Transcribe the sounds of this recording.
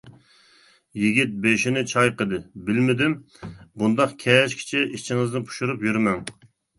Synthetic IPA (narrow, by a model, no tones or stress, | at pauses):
jiɡʲit̪̚beʃinɪt͡ʃʰɑjqəd̪ɨbɪlmɪd̪ɪm | bund̪ɑqkʲʰɛʃkʲʰi̥t͡ʃʰɪʔit͡ʃʰiŋɨznɨpʰu̥ʃuɾupjyɾmɛŋ